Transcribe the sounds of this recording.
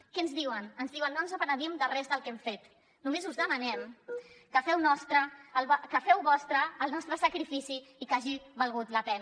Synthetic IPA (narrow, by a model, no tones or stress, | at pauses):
kɛənzðiwənənzðiwənːonzəpəɾəɾiəmd̪əlrɛzðəlˠkɛmfet̪ | numezuzðəmɐnɛmkəfɛwnɔst̪ɾəlkəfɛwβɔst̪ɾəːlˠnɔst̪ɾəsəkɾifisiːkaʒiβəlˠɣut̪ləpɛn